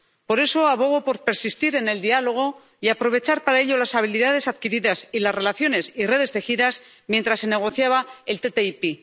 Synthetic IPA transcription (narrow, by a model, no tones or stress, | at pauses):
po̞ɾe̞so̞aβo̞ɣo̞po̞ɾpe̞ɾsist̪iɾe̞ne̞ld̪ialo̞ɣ̞o̞ | iapɾo̞β̞e̞t͡ʃaɾpaɾaeʎo̞lasaβ̞iliðað̞esaðkiɾiðasilasre̞laθjone̞sire̞ð̞e̞st̪e̞xiðas | mjent̪ɾasːe̞ne̞ɣ̞o̞θjaβae̞lt̪et̪eipi